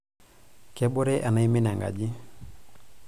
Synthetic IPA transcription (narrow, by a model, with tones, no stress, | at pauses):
kɛ˦bʊ˦ɾɛ˦ʔa˨na˦i˦mi˦nɛ˨ŋɡa̰˨d͡ʒi˦